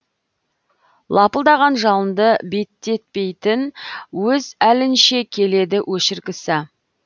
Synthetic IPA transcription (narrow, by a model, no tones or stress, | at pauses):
lˠɑpəlˠd̪ɑʁɑnʒɑlˠənd̪əbe̞t̪ːe̞t̪̚pe̞jt̪ɪnwɵzælɪnʃe̞kʲʰe̞le̞d̪ɪwʔɵʃɪɾɡʲɪsɪ